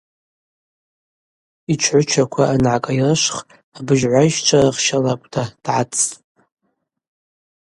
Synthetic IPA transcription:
it͡ʃʷʰʕʷʊt͡ʃʷʰakʷʰaanʕakʼajrɨʃʷχ | abɨʒʕʷaiʃt͡ʃʷʰaraχʃalakʷʼdʰad̥ʕat͡sʰʼ

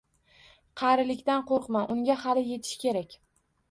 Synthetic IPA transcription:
qʰɑɾɪlɪkʲt̪anqoɾqmanʔʊŋɡʲahalɪje̞t̪ʰɪ̥ʃkʲe̞ɾakʲ

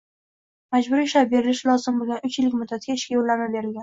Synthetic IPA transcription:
mad͡ʒbʊɾiʃlap̚be̞ɾɪlɪʃlˠɒzɪmbolˠɡʲanʊt͡ʃjɪlɪkʲmʊd̪ːat̪ɡʲaɪʃkʲajolːaɾnabe̞ɾɪlɡʲan

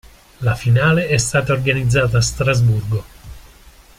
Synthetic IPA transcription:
lafinaːleɛst̪aːt̪aorɡanid̪zːaːt̪aːst̪ɾazburɡo

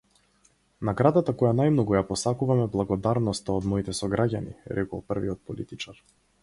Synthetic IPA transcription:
naɡɾad̪at̪akɔjanajmnɔɡujapɔsakuvamɛblˠaɡɔd̪aɾnɔst̪aɔd̪mɔit̪ɛsɔɡɾaɟanḭɾɛkɔ̰lˠpərviɔt̪̚pɔlḭt̪it͡ʃaɾ

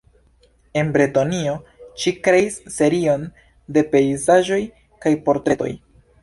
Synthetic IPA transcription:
e̞nbɾetonio̞ʃikɾe̞isːe̞ɾio̞n | de̞pe̞izaʒo̞j | kajpo̞ɾtɾe̞to̞̰j

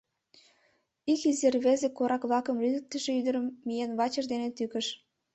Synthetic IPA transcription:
ikizerβezekoɾʔɑkβlɑkə̆mrizə̆k̚t̪ːə̆ʃĕyd̪ə̆ɾə̆mːijenβɑt͡ɕə̆rd̪enet̪ykə̆ʃ

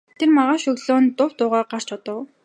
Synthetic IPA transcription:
t̪ʰermaʁaːʃɵɣɮoːnt̪ʊw̥t̪ʊːʁaːɢar̥t͡ɕɔt̪ə̆w

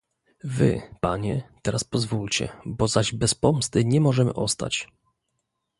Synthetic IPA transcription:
vɘ̰paɲɛt̪ɛɾaspɔzvult͡ɕɛ̰bɔzaʑbɛspɔmst̪ɘɲɛmɔʐɛmɘ̰ʔɔst̪a̰t͡ɕ

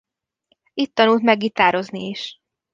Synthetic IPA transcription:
it̪ːɒnult̪mɛɡʋit̪aːɾo̞zniiʃ

